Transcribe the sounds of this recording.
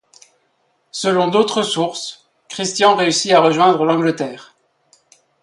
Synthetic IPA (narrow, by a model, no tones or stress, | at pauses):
səlɔ̃d̪ot̪χəsuʁs | kχist̪jɑ̃ʁeysiaʁəʒwɛ̃d̪ʁəlɑ̃ɡlət̪ɛːʁ